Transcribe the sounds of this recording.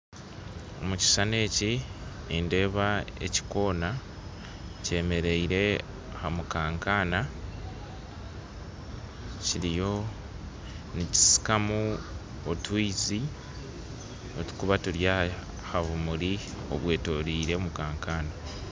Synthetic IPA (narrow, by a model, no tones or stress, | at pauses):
o̞̰muci̥sane̞ːci | inde̞ːβae̞̰ci̥ko̞ːna | ce̞ːme̞ɾe̞iɾe̞ | hamukaːŋkaːna | ciɾijo̞ | nici̥si̥kamu | otwiːzi | otu̥kuβatuɾja | haβumuɾi | o̞̰βwe̞ːto̞ɾiːɾe̞mukaːŋkaːna